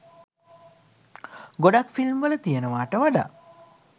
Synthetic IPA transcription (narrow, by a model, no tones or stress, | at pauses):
ɡoɖakfilmʋələt̪ijənəʋaːʈəʋaɖa̰ː